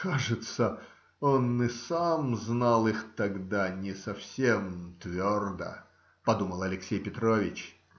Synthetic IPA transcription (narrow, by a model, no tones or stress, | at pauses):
kaʐɨt̪sə | o̞nɨsamznalˠɨxt̪ɐɡd̪anʲɪsɐfsʲemt̪vʲord̪ə̰ | pɐd̪uməlˠɐlʲɪksʲejpʲɪt̪ɾovʲɪt͡ɕ